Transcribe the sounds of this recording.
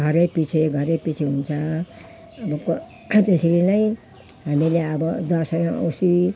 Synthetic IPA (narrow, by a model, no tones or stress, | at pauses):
ɡʱʌɾepit͡sʰeɡʱʌɾepit͡sʰeɦunt͡sʰʌ | ʌbʌk | t̪eseɾinʌj̃ | ɦamileʌbʌd̪ʌsʌjõʌ̰wsi